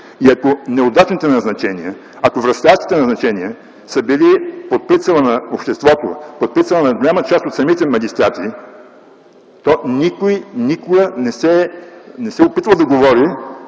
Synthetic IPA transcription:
iɐkonɛod̪at͡ʃnit̪ɛnɐznɐt͡ʃɛniə | ɐkovɾɐst̪aʃt̪i̥t̪ɛnɐznɐt͡ʃɛniə | səbilipot̪̚pit̪sɐlˠɐnɐopʃt̪ɛst̪vɔt̪o̰pot̪̚pit̪sɐlˠɐnɐɡolʲamət͡ʃast̪ot̪sɐmit̪ɛmɐɡʲist̪ɾat̪i | t̪ɔnikojnikʊɡənɛsɛnɛsɛopit̪vɐd̪ɐɡovɔɾi

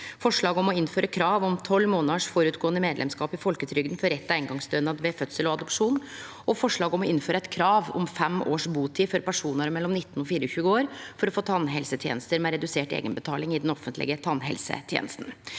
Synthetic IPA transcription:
fɔʂɭɑːɡɔmɔɪnːføːɾəkʰɾɑːʋɔmt̪ʰɔlːmoːnɑʂfɔːɾʉːt̪ɡoːənəmeːd̪lɛ̰mskɑːpɪfɔlkət̪ʰɾʏɡd̪n̩fɔɾɛt̪ːæɪnɡɑŋsd̪øːnɑd̪ʋɛfœt̪səlɔɑd̪ɔpʂuːn | ɔfɔʂɭɑːɡɔmɔɪnːføːɾəæɪt̪̚kʰɾɑːʋɔ̰mfɛmʔoːʂbuːt̪ʰiːfɔɾpʰæʂuːnəɾmɛlːɔmnɪt̪ːnɔfiːɾəɔçʉːəoːɾfɔɾɔfoːt̪ʰɑnːɦɛlsət̪ʰjḛːnəst̪əɾmɛɾɛd̪ʉseːʈḛːɡənbət̪ʰɑːlɪŋɪd̪ɛnɔfənt̪lɪ̰ɡət̪ʰɑnɦɛ̰lsə̰t̪ʰjḛːnəst̪n̩

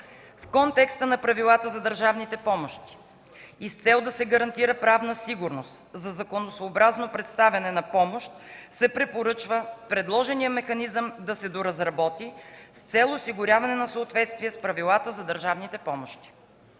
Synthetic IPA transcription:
fkɔnt̪ɛkst̪ənɐpɾɐvilˠat̪əzɐd̪əɾʒavnit̪ɛpɔmoʃt̪i̥ | ist̪sɛlˠd̪ɐsɛɡɐɾɐnt̪iɾəpɾavnəsiɡʊɾnost̪zɐzɐkonosoːbɾaznopɾɛt̪st̪avʲɐnɛnɐpɔmoʃt̪sɛpɾɛpoɾɤt͡ʃvəpɾɛd̪lˠɔʒɛnijəmɛxɐnizəmd̪ɐsɛd̪oɾɐzɾɐbɔt̪ist̪sɛlˠosiɡʊɾʲjavɐnɛnɐsəot̪vɛt̪st̪viɛspɾɐvilˠat̪əzɐd̪əɾʒavnit̪ɛpɔmoʃt̪i̥

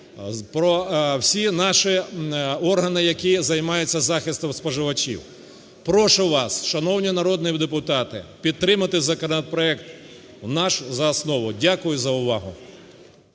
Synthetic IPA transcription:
pɾɔwsʲinɑʃi | ɔrɦɐnɪjɐkʲizɐjmɑjʊt͡sʲːɐzɑxɪst̪ɔmspɔʒɪʋɐt͡ʃʲḭw | pɾɔʃʊʋɑsʃɐnɔwnʲinɐɾɔd̪nɪwd̪epʊt̪ɑt̪ɪpʲid̪̚t̪ːɾɪmɐt̪ɪzɐkɔnɐt̪̚pɾɔɛkt̪ | wnɑʃzɐːsnɔʋʊdʲakʊjʊzɐʊʋɑɦʊ

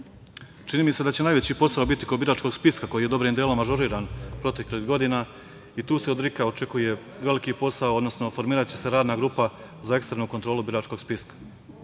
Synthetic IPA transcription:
t͡ʃiniːmise̞d̪at͡ɕe̞naːjʋe̞t͡ɕipo̞saobit̪ikobiɾaːt͡ʃko̞ɡspiskako̞jijed̪o̞bɾiːmd̪eːlomaʒoɾiːɾaːnpɾo̞t̪e̞kliɦɡo̞d̪ina | it̪uːse̞od̪ɾikaot͡ʃe̞kuje̞ | ʋe̞likipo̞saood̪no̞sno̞fo̞ɾmiːɾat͡ɕe̞se̞ɾaːd̪naɡɾuːpa | zae̞kst̪ɾenuːko̞nt̪ɾo̞ːlˠubiɾaːt͡ʃko̞ɡ̥spiskḁ

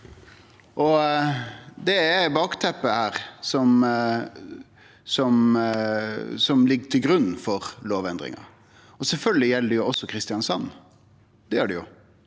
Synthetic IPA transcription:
ʔɔ | d̪ɛɛbɑːkt̪ʰɛpːəhæːɾsɔm | sɔm | sɔmlɪɡːt̪ʰɪlɡɾʉnːfɔɾloːʋɛnd̪ɾɪ̰ŋɑ̰ | ɔsɛlfœlɡəlɪjɛlːədəjʊɔsːɔkʰɾɪst̪ɪɑnsɑnː | d̪̥ɛəɖɛjʊ̰

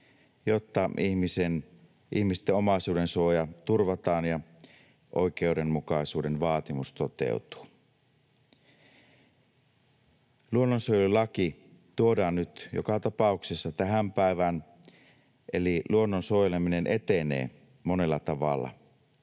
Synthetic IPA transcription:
jot̪ːɑihmisen | ʔihmist̪eo̞mɑisuːde̞nsuojɑt̪urʋɑt̪ɑːnjɑ | ʔo̞̰ik̟e̞ude̞nmukɑisuːde̞nʋɑːt̪imust̪ot̪e̞̰ut̪u̥ː | luonːonsuojelulɑki | t̪uodɑːnːyt̪jo̰kɑt̪ɑpɑˑuksesːɑt̪æɦæmpæiʋæn | ʔeliluonːonsuojelemine̞nʔe̞t̪enḛː | mo̞ne̞lːɑt̪ɑʋɑ̰lːɑ̰

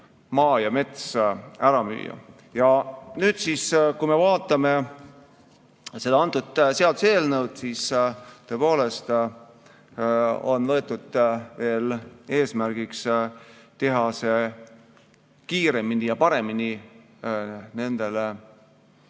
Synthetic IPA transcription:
mɑːjɑme̞t̪sæɾɑmy̰ːjɑ̰ | jɑnyːd̪siːskujmevɑːt̪ːˑɑme̞ | se̞d̪ɑɑnt̪ːˑud̪seɑlt̪use̞ːlnəwd̪̥siːst̪o̞epo̞ːle̞st̪ | o̞̰nvɤe̞t̪ˑːud̪̥ve̞ːle̞ːsmærɡ̥iks | t̪e̞ɦɑse̞ | kiːɾe̞minijɑpɑɾe̞mini | ne̞nd̪̥e̞le

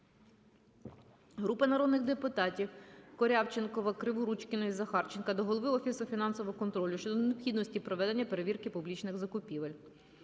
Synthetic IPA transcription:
ɦɾupɐnɐɾɔd̪nɪxd̪epʊt̪ɑtʲiwkɔɾʲɑwt͡ʃenkɔʋɐkɾɪʋʊɾut͡ʃkɪnɔizɐxɑrt͡ʃenkɐd̪ɔɦɔlˠɔʋɪwɔfʲisʊfʲinɑnsɔʋɔʊkɔnt̪ɾɔlʲʊʃt͡ʃɔd̪ɔneɔpxʲid̪nɔsʲtʲipɾɔʋɛd̪e̞nʲːɐpeɾe̞ʋʲirkɪpublʲit͡ʃnɪɣzɐkʊpʲiʋɐlʲ

